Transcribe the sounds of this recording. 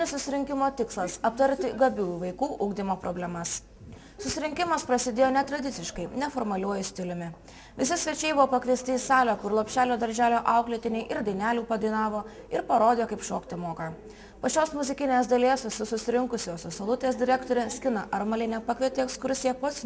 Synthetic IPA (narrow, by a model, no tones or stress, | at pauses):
nʲɪssʊsʲɪɾʲɪŋʲkʲɪmoːt̪ʲɪkslˠɐsɐp̚t̪ɐɾʲt̪ʲɪɡɐbʲuːjuːʋɐɪkuːʔʊɡd̪ʲimoːpɾɔbʲlʲɛmɐs | sʊsʲɪɾʲɪŋʲkʲɪmɐspɾɐsʲɪd̪ʲeːjːnʲɛt̪ɾɐd̪ʲɪt̪sʲɪʃkɐɪnʲɛfoɾmɐlʲuɔjʊsʲt̪ʲɪlʲʊmʲɪ | ʋʲɪsʲɪsʲʋʲɛt͡ʃʲɛɪbʊʋoːpɐkʋʲiɛsʲt̪ʲɪisɑːlʲoːkʊɾlˠopʲʃʲæːlʲoːd̪ɐɾʲʒʲæːlʲoːʔɑˑʊklʲɪt̪ʲɪnʲɛɪʔɪɾd̪ɐɪnʲæːlʲuːpɐd̪ɐɪnɑːʋoː | ɪɾpɐɾoːd̪ʲeːjoːkɐɪpʃoːkt̪ʲɪmoːkɑ | pɐt͡ʃʲoːsmʊzʲɪkʲɪnʲeːsd̪ɐlʲiɛsʋʲɪsʲʊsʊsʲɪɾʲɪŋkʊsʲoːsʲʊsolˠʊt̪ʲeːsd̪ʲɪɾʲæːkt̪oːɾʲɛsʲkʲɪnɐʔɐɾmɐlʲɪnʲɛpɐkʋʲiɛt̪ʲɪɛkskʊɾʲsʲɪjɛpoːt̪sʲ